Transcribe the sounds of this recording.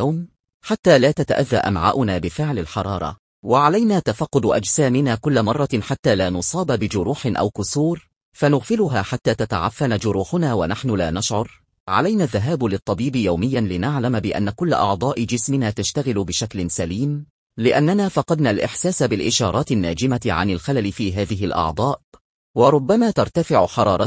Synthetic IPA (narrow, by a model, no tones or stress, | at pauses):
awm | ħat̪ːaːlaːt̪at̪a̰ʔaðːa̰ʔa̰mʕa̰ːʔʊnaːbɪfɪʕlalħɑɾˤɑːɾˤɑ̰ | waʕalajnaːt̪afɑqːʊd̪ʔa̰d͡ʒsaːmɪnaːkʊlːamɑrˤːɑħat̪ːaːlaːnʊsˤɑːbabɪd͡ʒʊɾuːħɪnʔa̰wkʊsuːɾ | fanʊɣfɪlʊɦaːħat̪ːaːt̪at̪aʕafːanad͡ʒʊɾuːħʊnaːwanaħnʊlaːnaʃʕʊɾˤ | ʕa̰lajnaːðːaɦaːblɪt̪ˤːɑbiːbɪjawmɪjːanlɪnaʕlambɪʔa̰nːakʊl̰ːʔɑ̰ʕd̪ˤɑːʔɪd͡ʒɪsmɪnaːt̪aʃt̪aɣɪlʊbɪʃaklɪnsaliːm | lɪʔanːanaːfɑqɑd̪nalʔɪ̰ħsaːsabɪlʔɪʃɑːɾˤɑːt̪ɪnːaːd͡ʒɪmaʕa̰nɪlxalalɪfiːɦaːðɪɦɪlʔɑ̰ʕd̪ˤɑːʔ | wɑɾˤʊbːamaːt̪ɑɾˤt̪afɪʕʊħɑɾˤɑːɾˤɑ